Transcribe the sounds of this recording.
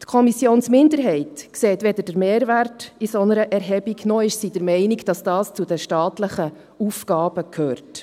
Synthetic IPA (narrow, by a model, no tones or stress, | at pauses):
t̪kʰɔmisjoːnsmɪndəɾɦɛɪtkseːt̪ʋɛd̪əd̥əɾmeːɾʋærtisɔnəɾəʔɛɾɦɛbiɡnɔɪʃsidəɾmɛɪniɡd̥ɑsd̥ɑːst͡sudəʃtɑːtləχə | ufɡɑːb̥əkʰøːrt